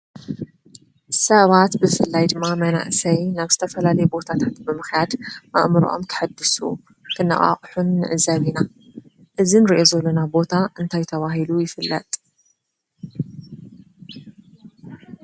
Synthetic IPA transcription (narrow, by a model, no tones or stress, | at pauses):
sɐβat̪bɨfɨlːajd̪ɨmːamɐna̰ʔsɐjnaβzɨt̪ʰɐfɐlalɐjɛbo̞t̪ʰat̪ʰat̪bɨmɨxjad̪mɐ̰ʔmɨɾ̰ʔo̰mkʰɨ̥ħad̪ːɨsṵ | kʰɨnːɐ̰χʼa̰χʼħunːɨ̰ʕɨzaβina | ʔɨzinɾiʔo̞zɐlonabo̞t̪ʰaʔɨnt̪ʰajt̪ʰɐβaɦilujɪfɨlːɐt̪ʼ